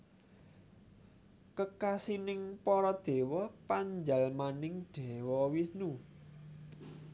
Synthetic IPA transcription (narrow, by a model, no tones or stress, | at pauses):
kəkasinɪŋpɔɾɔd̪̥e̤wɔpaɲd͡ʒalmanɪŋd̪̥e̤wɔwisnu